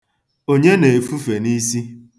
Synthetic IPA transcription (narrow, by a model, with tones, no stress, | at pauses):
o˦ɲe˦ne˨fu˦fe˨ni˦si˦